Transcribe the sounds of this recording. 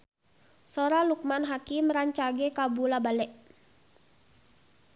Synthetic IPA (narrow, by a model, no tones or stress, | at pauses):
soɾaluk̚manɦakiməɾaɲt͡ʃaɡɛkabulabalɛʔ